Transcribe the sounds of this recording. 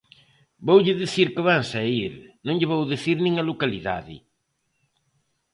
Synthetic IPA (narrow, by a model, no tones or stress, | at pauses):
bowʎɪðiθiɾkɪβaŋsaiɾnõŋʎɪβowðeθiɾnĩŋɐlokaliða̰ðɪ̰